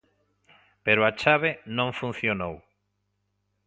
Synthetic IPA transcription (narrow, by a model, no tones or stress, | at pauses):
peɾoat͡ʃaβenõŋfũn̟θjonow